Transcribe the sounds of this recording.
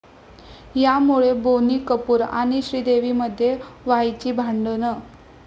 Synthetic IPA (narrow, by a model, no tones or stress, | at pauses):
jamuɭeboniːkəpuːɾa̰ɽ̃iɕɾiːd̪eʋiməd̪ʱːjeʋajt͡ɕiːbʱaɳɖənə